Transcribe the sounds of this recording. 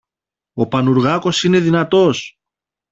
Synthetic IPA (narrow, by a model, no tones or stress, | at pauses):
o̞pɐnuɾɣɐko̞sine̞ðinɐt̪o̞s